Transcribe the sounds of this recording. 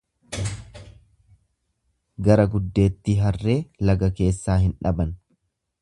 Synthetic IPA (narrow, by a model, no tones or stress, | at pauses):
ɡɐɾɐɡʊd̪ːe̞ːt̪ːiːɦɐrːe̞ːlɐɡɐke̞ːsːaːhɪnᶑɐbɐn